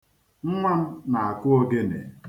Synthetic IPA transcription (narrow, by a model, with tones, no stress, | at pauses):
m̩˦ma˦m̩˦na˨a˨kʊ˦o˦ɡe˦nḛ˨